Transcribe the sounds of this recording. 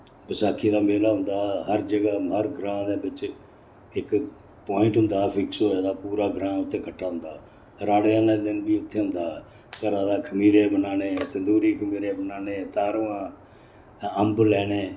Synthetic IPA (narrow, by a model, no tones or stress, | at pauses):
bəsaːkʰːiːd̪aːmeːlaːɦʊ̃nd̪aːɦəɾd͡ʒəɡaːəɾɡɾãːd̪eːbɪt͡ʃ | ɪk | põːɪ̃ɳʈɦʊ̃nd̪aːpʰɪksɦoːaːd̪aːpuːɾaːɡɾãːʊt̪ʰːẽːkʰəʈʰːaːɦʊ̃nd̪aː | ɾaːɽãːnad̪ɪnbiːʊt̪ʰːeːɦʊ̃nd̪aː | kəɾaːd̪aːkʰəmiːɾeːbənaːneːət̪eːd̪uːɾiːkʰəmiːɾeːbənaːneːt̪aːɾʋãː | əmblɛːɽ̃eː